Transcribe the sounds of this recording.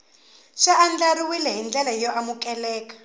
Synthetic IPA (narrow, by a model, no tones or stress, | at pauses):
ʂaʔand͡ɮaɾiwilɛɦind͡ɮɛlajɔʔamukɛlɛːkḁ